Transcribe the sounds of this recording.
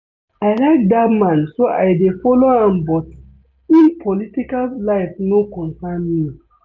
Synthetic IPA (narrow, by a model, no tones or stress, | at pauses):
aɪlaɪk̚datmãnsoʔa̰jdefɔloãmbɔt | ĩnpʰɔlitikallaɪfnokɔ̃nsanmi